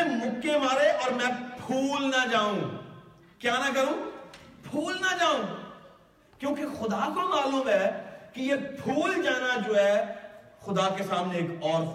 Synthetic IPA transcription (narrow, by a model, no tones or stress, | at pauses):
ɛmʊkːemaːɾeʔɔːɾmɛ̃pʰuːlnad͡ʒaːũː | kjaːnak̬ɐɾũːpʰuːlnad͡ʒaːũː | kjõːkixʊd̪akomaːluːmɦɛːkijepʰuːld͡ʒaːnad͡ʒoːɦɛːxʊd̪akesaːmneeːkɔːɾ